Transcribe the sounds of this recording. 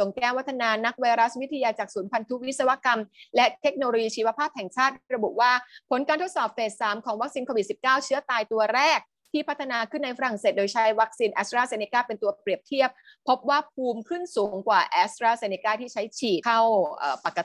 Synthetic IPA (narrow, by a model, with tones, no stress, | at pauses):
so˨˩ŋkɛː˥˩wa˦˥t̪ʰːa˧naː˧na˦˥k̚wa˧jɾa˦˥swi˦˥t̪ʰa˧jaː˧t͡ɕaː˨˩k̚suː˩˦npʰa˧nt̪ʰu˦˥wi˦˥t̪̚sa˧wa˦˥ka˧mlɛ˦˥t̪ʰe˦˥k̚noː˧lo˧jiː˧t͡ɕʰiː˧wa˦˥pʰaː˥˩p̚hɛ˨˩ŋt͡ɕʰaː˥˩t̪̚ɾa˧bṵ˨˩ʔwaː˥˩pʰo˩˦nkaː˧nt̪ʰo˦˥t̪sɔː˨˩p̚feː˨˩t̪̚saː˩˦mkʰɔː˨˩˦ŋwa˦˥k̚siː˧nkʰoː˧wi˨t̪̚si˨˩p̚kaː˥˩wt͡ɕʰɯ˦˥ɐt̪aː˧jt̪u˧ɐɾɛː˥˩k̚ | t̪ʰiː˥˩pʰa˦˥t̪ʰːa˧naː˧kʰɯ˥˩nːa˧jfa˧ɾa˨˩ŋseː˨˩doː˧jt͡ɕʰa˦˥jwa˦˥k̚siː˧nʔɛː˦˥st̪ɾaː˥˩se˧ni˧kaː˥˩pe˧nt̪u˧ɐpɾi˨˩əp̚t̪ʰi˥˩əp̚ | pʰːo˦˥p̚waː˥˩p̚ʰuː˧mkʰɯ˥˩nsuː˨˩˦ŋkwaː˨˩ʔɛː˦˥st̪ɾaː˥˩seː˧ni˧kaː˥˩t̪ʰiː˥˩t͡ɕʰa˦˥jt͡ɕʰiː˨˩t̪̚ka˥˩wʔəː˨˩pa˨˩kːa˧